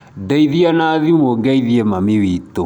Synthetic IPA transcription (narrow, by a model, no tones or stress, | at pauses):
dɛiðianaðimɔɡɛiðiɛmamiwito